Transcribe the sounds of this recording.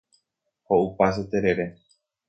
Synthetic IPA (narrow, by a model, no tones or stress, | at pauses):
houpas̬et̪eɾeɾe